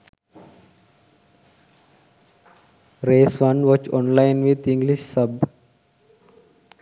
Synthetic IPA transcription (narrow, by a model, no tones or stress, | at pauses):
ɾeːsʋʌ̃nʋɔt͡ʃɔ̃ːnlaɪnʋid̪ĩŋɡliʃsʌb